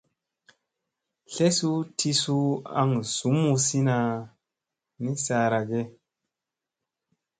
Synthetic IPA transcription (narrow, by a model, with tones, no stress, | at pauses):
ɬe˦su˦tʰi˧su˦a̰˦ŋsu˨˦mu˧si˦na˨ | ni˦sa˨ɾa˨ɡe˦